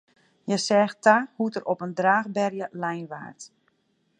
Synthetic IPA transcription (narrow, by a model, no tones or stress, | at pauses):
jɛsɛːxtahutəɾʔɔpəndraːɣbɛrjəlɛjnʋa̰ːrt